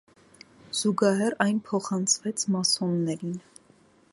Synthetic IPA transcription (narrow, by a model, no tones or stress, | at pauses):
z̥uɡɑɦɛrɑjnpʰɔχɑnt͡sʰvɛt͡sʰmɑsɔnːɛɾin